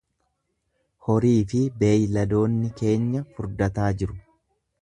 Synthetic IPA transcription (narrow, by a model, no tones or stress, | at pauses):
hɔɾiːfɪbe̞ːjlɐd̪o̞ːnːɪke̞ːɲːɐfʊɾd̪ɐt̪aːd͡ʒɪɾʊ